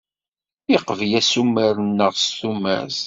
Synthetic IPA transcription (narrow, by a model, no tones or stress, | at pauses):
iqəvjæsumːəɾnːəʁsθumæ̰z